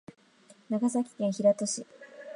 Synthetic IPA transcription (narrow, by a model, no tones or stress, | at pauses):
naɡasakʲi̥kẽ̞ɰ̃çiɾat̪oɕi